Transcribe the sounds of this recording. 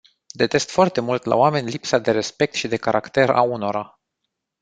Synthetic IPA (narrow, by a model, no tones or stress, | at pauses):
d̪e̞t̪e̞st̪foart̪e̞mult̪la̰oame̞nʲlipsad̪e̞ɾe̞spe̞k̚t̪ʃid̪e̞kaɾʔakt̪e̞ɾa̰uno̞ɾa